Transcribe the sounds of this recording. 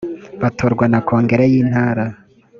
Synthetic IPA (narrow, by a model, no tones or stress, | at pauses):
βatʰoɾɡwanakʰoːŋɡe̞ɾejiːn̥haːɾa